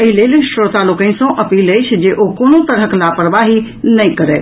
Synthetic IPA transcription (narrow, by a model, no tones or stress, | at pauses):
əɦileːlʃɾoːt̪alokə̃ɪ̃sõʔɐpiːləɪt͡ʃʰd͡ʒeʔokoːnot̪əɾəklapɾəʋaɦi | nɐĩkəɾḛː